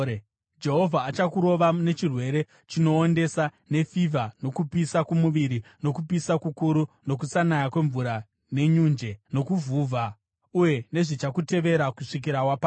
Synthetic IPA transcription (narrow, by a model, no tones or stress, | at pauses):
d͡ʒe̞ɦo̞vʱaːt͡ʃakuɾo̞ʋane̞t͡ʃirwe̞ɾe̞ | t͡ʃino̞ːnde̞sa | ne̞fivʱano̞kupisakumuʋiɾino̞kupisakukuɾuno̞k̬usanajakwe̞ɱvuɾa | ne̞ɲuːnd͡ʒe̞no̞kuvuvʱa | uje̞ne̞ʐit͡ʃakute̞ʋe̞ɾakuʂik̬iɾakwapaː